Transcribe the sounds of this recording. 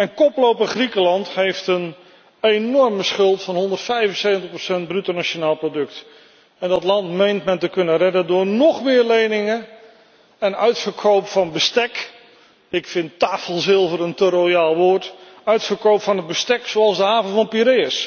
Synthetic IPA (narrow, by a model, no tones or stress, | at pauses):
ɛnkɔplowpəχrikəlɑnthejftən | enɔɹməsχɵlˠtfɑnɦɔndərtfɛjvənsejvəntəχprosɛnd̚brytonat͡ʃonaːlˠprodɵkt | ɛndɑtlɑntmejntmɛntəkɵnərɛdəndʊːɹnɔχmɪːɹlejnɪŋə | ɛnœɥtfəɹkʰowpfɑnbəstɛk | ɪkfɪntaːfəlˠzɪlˠvoːɾəntəɾojaːlˠʋoːɹt | œɥtfəɹkowpfɑnɦəd̚bəstɛksoɑlˠzdəɦaːvəvɑnpiɾeəs